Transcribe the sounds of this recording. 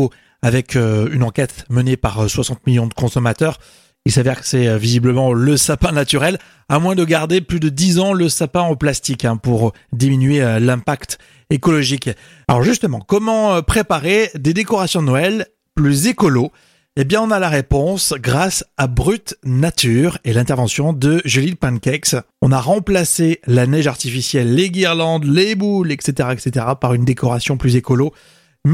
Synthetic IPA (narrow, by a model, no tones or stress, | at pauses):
o | avɛkʰøynɑ̃kʲɛt̪mənepaʁswasɑ̃t̪̚miljɔ̃d̪əkɔ̃sɔmat̪œʁ | ilsavɛʁkə̥sɛøvizibləmɑ̃ləsapɛ̃nat̪yʁɛl | amwɛ̃d̪əɡaʁd̪eplyd̪əd̪izɑ̃ləsapɛ̃ɑplast̪ikɛ̃puʁ | d̪iminɥeølɛ̃pakt̪ | ekɔlɔʒik | alɔ̰ʁʒyst̪əmɑ̃kɔmɑ̃pχepaʁed̪ed̪ekɔʁasjɔ̃d̪nɔɛl | plyzekɔlo | ebjɛ̃ɔ̃nalaʁepɔ̃sɡʁasabʁyt̪nat̪yʁelɛ̃t̪ɛʁvɑ̃sjɔ̃d̪əʒylipɛ̃nkɛks | ɔ̃naʁɑ̃plaselanɛʒaʁt̪ifisjɛlːeɡiʁlɑ̃d̪lebulɛkset̪eʁaɛkset̪eʁapaʁynd̪ekɔʁasjɔ̃plyzekɔlo | m